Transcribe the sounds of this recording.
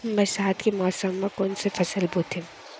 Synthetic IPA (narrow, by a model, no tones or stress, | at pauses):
mɛ̃saːt̪kimɔːsəmːɐ̃koːnsefʰɐsəlboːt̪ʰi